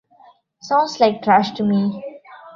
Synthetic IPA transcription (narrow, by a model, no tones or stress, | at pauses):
sãʊ̃nslaɪk̚ʈɾaʃʈumi